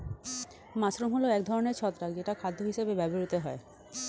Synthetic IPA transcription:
masɾumɦoloɛkd̪ʱɔɾoneɾt͡ɕʰɔt̪ːɾakd͡ʑeʈakʰad̪ʱːoɦiʃebebɛboɾut̪eɦɔe

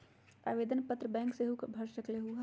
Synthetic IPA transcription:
a̰ːʋeːd̪ənpət̪ɾəbɛ̃ːŋkseɦukbʱɐɾʃəkleɦua

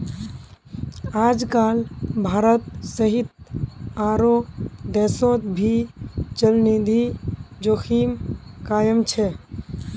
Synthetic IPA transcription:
aːd͡ʒkalbʱaːɾət̪̚səɦit̪̚aɾod̪ɛːsõt̪bʱit͡ʃəlnid̪ʱid͡ʒokʰimkaːjəmt͡ʃʰɛ

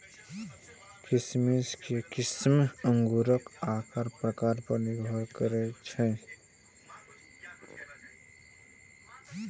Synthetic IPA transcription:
kismiskekɪsməŋɡuɾəkakəɾpɾəkaɾpəniɡʱɔɾkəɾɛt͡ʃʰɛ

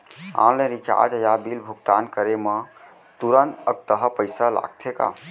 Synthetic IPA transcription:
ã̰lẽɾit͡ʃa̰ɾd͡ʒəjabilbʱuɡ̚t̪ankəɾemə | t̪uɾənt̪ək̚t̪əɦəpəɪsəla̰ɡ̚t̪ʰeka̰

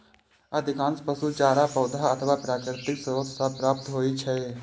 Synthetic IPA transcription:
əd̪ʱɪkãːnspəsut͡ʃaːɾapɐːd̪ʱaət̪ʰəʋaːpɾaːkɾɪt̪ɪksəəssʰapɾaːp̚t̪ɦoːit͡ʃʰɛː

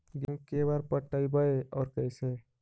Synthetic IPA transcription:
ɡekebaɾpəʈːəibəeɔːɾkəɪse

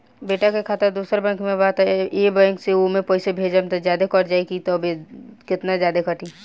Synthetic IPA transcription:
beːʈakekʰaːt̪əɾd̪uːsəɾbɛ̃ŋkmẽbaːt̪ɛeːbə̃ŋkseomẽpɔːɪsebʱeːd͡ʒəmt̪ɐzjaːd̪ekɔʈd͡ʒaːikit̪ɔbʱekɪt̪nazjaːd̪ekɐʈi

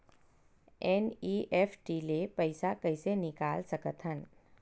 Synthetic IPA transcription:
eniʔefʈilepəjsakəjsenɪkalsəkət̪ɦən

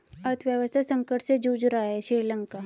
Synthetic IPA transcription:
ɐɾt̪ʰʋjəʋəst̪ʰasə̃ŋkəʈsed͡ʒuːd͡ʒɾaːɛʃiːɾləŋkaː

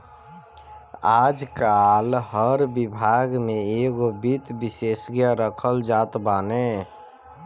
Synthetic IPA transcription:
aːd͡ʒkalɦəɾbibʱaɡmeeɡobit̪bisesɡjaɾəkʰəld͡ʒat̪bane

